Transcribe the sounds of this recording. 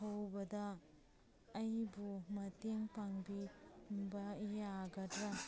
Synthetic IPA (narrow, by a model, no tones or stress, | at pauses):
hɐwbɐdɐː | jbumɐteŋpaŋbimbɐijaɡɐtɾɐ